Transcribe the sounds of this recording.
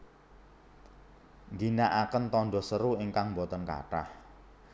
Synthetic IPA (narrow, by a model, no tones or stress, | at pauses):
ŋɡinaʔakənt̪ɔnɖɔ̤səɾuiŋkaŋmbɔt̪ɔnka̰ʈa̰h